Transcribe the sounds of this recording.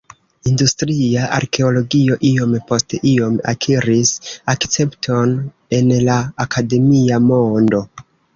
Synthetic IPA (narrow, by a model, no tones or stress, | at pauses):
industɾiaʔa̰ɾkʰe̞o̞lo̞ɡio̞ʔio̞mpo̞steʔio̞ma̰kʰiɾisakt͡se̞mptʰo̞n | e̞nlaːkʰade̞miamo̞ndo̞